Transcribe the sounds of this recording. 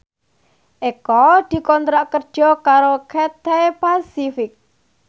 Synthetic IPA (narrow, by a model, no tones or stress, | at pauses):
ʔekɔd̪̥i̤kɔnt̪ɾaʔkərd̥ʒ̥ɔ̤kaɾokʰet̪epasifɪk̚